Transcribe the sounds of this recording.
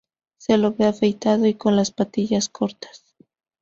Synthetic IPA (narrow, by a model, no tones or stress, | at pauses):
selo̞βeafejt̪aðo̞iko̞nlaspat̪iʝaskʰo̞ɾt̪ḁs